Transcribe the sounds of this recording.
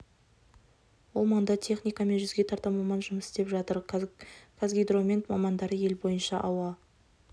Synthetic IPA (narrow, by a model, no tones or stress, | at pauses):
wo̞lˠmɑɴd̪ɑt̪ʰe̞χnʲijkame̞nʒʏzɡʲe̞t̪ʰɑɾt̪ɑmɑmɑnʒʊməsɪ̥st̪e̞pʒɑt̪əɾ | kʰazɡʲijd̪ro̞mʲe̞nt̪mɑmɑnd̪ɑɾəje̞lbo̞jənʃɑʔɑwɑ